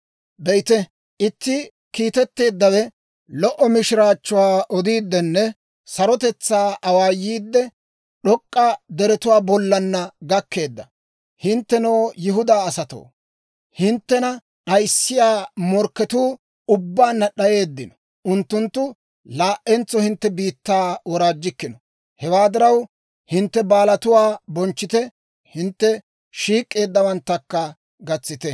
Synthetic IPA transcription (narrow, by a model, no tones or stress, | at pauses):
bɛjt̪ɛ | ʔɪt̪ːɪ | kiːt̪ɛt̪ːe̞ːd̪ːɐwɛ | lɔʔɔmɪʃɪɾaːt͡ʃːʊwaːʔɔd̪iːd̪ːɛnːɛ | sɐɾɔt̪ɛt͡sːaːʔɐwaːjːiːd̪ːɛ | ɗɔkʼːɐd̪ɛɾɛt̪ʊwaːbɔlːɐnːɐɡɐkːe̞ːd̪ːɐ̰ | hɪnt̪ːɛnoːjɪɦʊd̪aːɐsɐt̪o̰ː | hɪnt̪ːɛnɐ | ɗɐjsːɪjaːmɔɾkːɛt̪uː | ʊbːaːnːɐɗɐje̞ːd̪ːɪnɔ | ʊnt̪ːʊnt̪ːʊ | laːʔɛnt͡sːɔhɪnt̪ːɛbiːt̪ːaːwɔɾaːd͡ʒːɪkːɪnɔ | hɛwaːd̪ɪɾɐw | hɪnt̪ːɛbaːlɐt̪ʊwaːbɔnt͡ʃːɪt̪ɛ | hɪnt̪ːɛ | ʃiːkʼːe̞ːd̪ːɐwɐnt̪ːɐkːɐ | ɡɐt͡sːɪt̪ɛ